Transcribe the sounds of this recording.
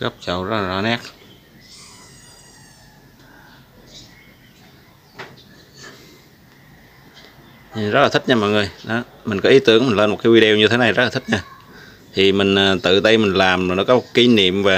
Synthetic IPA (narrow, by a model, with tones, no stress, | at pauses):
ɣə˦˥wp̚t͡ɕə̰˧˨wzə˦˥laː˨˩ɔ˨˦nɛ˦˥k̚ | zə˦˥laː˨˩t̪ï˦˥t̚ɲaː˧mɔ̰˧˨jŋɨ˨˩əjɗɔ˨˦ | mï˨˩ŋ̟kɔ˨˦ʔi˨˦t̪ɨ˧˥əŋmï˨˩ŋ̟ləː˧nmo˨˩t̚kaː˨˦jwi˧ɗɛ˧wɲɨ˧t̪ʰe˨˦na˨˩jzə˦˥la˨t̪ʰi˦˥t̚ɲaː˧ | t̪ʰi˨˩mï˨˩ŋ̟ː˨˩t̪ɨ̰˧˨t̪ə˧jmï˨˩ŋ̟laː˨˩m˨˩nɔ˨˦kɔ˨˦mo˨˩ki˨˦nḭ˧˨əmvaː˨˩